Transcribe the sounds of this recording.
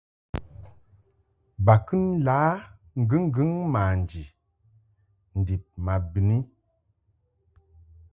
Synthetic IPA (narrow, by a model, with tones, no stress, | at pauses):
ba˨kɨ˦nlaː˨˦ | ŋ̩˦ɡɨ˦ŋ˦ɡɨ˦ŋma˨n˨d͡ʒi˨ | n̩˨di˨p̚ma˨bi˨ni˦